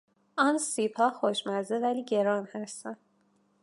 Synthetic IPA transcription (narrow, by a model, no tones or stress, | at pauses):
ɒnsiːpʰɒːxoʃmæɾzevæliːɟe̞ɾɒːnhæst̪æn